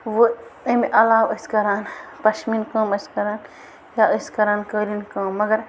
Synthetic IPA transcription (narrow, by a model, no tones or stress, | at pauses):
ʋoəmeʔɐlaːwɐskɐɾaːnpɐʃminkɐːmɐskɐɾaːn | jaːʔəskɐɾaːnkəːɾinkɐːmːɐɡɐɾ